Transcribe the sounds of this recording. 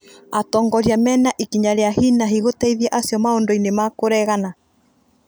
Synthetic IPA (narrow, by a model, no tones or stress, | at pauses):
atɔːŋɡɔɾjamɛnaʔekiɲaɾeahinaɦiɣotɛiðɛʔasjɔmaondoinemakoɾɛɣana